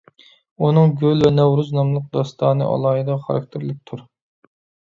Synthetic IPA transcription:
unɨŋɡʲølvɛnɛwɾuznɑmlˠəq̚d̪ɑst̪ʰɑːnɨ̰ʔɑ̰lˠɑːɦid̪ɑχɑ̰ɾɑ̰k̚ʲt̪ʰɪɾlɪk̚ʲt̪ʰuɾ

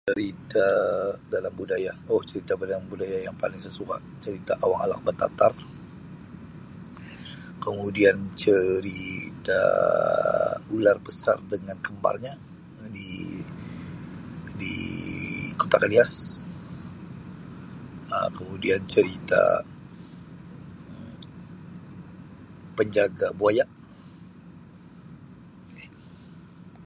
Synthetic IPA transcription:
t͡ʃəɾit̪adalambudajaoht͡ʃəɾit̪abədaambudajajaŋpa̰lɪŋsəsuka̰ʔt͡ʃəɾit̪aʔawaŋala̰k̚bət̪a̰t̪ar | kəmudiant͡ʃəɾit̪a̰ | ularbəsa̰rdəŋankəmba̰lɲa | di | dḭ | ko̥t̪akalias | ə̰kəmudiant͡ʃəɾit̪a̰ | pəɲd͡ʒaɡaboajaʔ

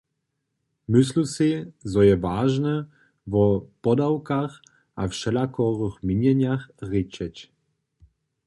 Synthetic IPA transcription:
myslusizɔjɛvaːʒnɛ | vɔpɔd̪awkax | ʔafʃɛlakɔʁəxmiɲɛɲjaxrit͡ʃɛt͡ɕ

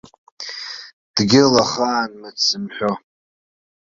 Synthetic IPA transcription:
d̥ɡʲɪlaχaːnmɨsɨmħʷo

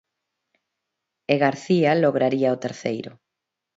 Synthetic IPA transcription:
eɣaɾθialoɣɾaɾiaot̪eɾθḛjɾʊ̰

